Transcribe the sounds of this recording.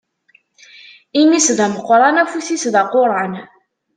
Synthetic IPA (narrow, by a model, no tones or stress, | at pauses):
imisðæməqːɾˤɑnæfuθisðaqoɾˤɑn